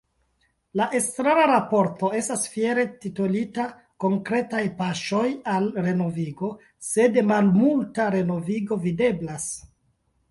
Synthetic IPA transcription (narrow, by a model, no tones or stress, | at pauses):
laʔestɾaɾaɾapo̞ɾto̞e̞stasfieɾe̞titolita | ko̞ŋkɾe̞tajpaʃo̞jalɾe̞no̞viɡo̞ | se̞demalmultaɾe̞no̞viɡo̞vide̞blas